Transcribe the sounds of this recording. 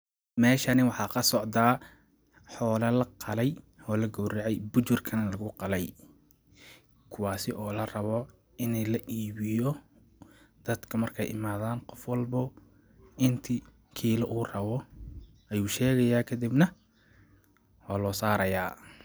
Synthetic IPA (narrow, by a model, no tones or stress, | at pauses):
mɛːʃɐnɪwɑħɑːkʰɐsɔʕd̪aː | ħɔːlɐlɐqɑlɛj | ɔːlɐɡɔwrɛʕɛjbʊt͡ʃʊrkʰɐnlɐɣʊqɑlɛj | kʰʊwaːsɪʔɔːlɐrɐβɔ | ɪnɛlɐʔiːβɪjɔ | d̪̥ɐd̪kʰɐmɐrkʰɛ̰jʔɪ̰maːðaːnqɔfwɑlbʊ | ɪnt̪ʰi | kʰiːlɐʔuːrɐβɔ | ʔɐjuːʃɛːɣɐjaːkʰɐd̪ibnɐ | waːlɔːsaːɾɐjaː